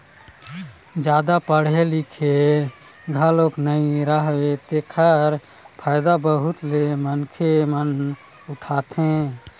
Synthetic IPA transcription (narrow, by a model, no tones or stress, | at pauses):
d͡ʒjad̪apəɽ̤elikʰe | ɡʱəloknəĩɾəɦwet̪ekʰəɾ | pʰaːɪd̪abəɦut̪lemənkʰemən | uʈʰat̪ɦẽ